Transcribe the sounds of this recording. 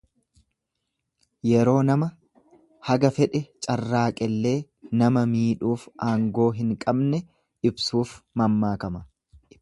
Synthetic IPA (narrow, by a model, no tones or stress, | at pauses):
jɛɾo̞ːnɐmɐ | hɐɡɐfɛᶑɛt͡ʃʼɐrːaːkʼɛlːe̞ː | nɐmɐmiːᶑuːfʔaːŋɡo̞ːɦɪŋkʼɐbnɛ | ɪbsuːfmɐmːaːkɐmɐ